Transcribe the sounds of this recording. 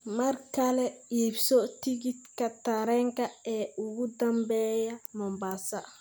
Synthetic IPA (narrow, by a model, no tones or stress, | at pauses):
maɾkalɛjebsɔt̪iɡit̪kɐt̪aɾɛŋkɐɛuɡud̪ɐmbɛːjamɔmbasa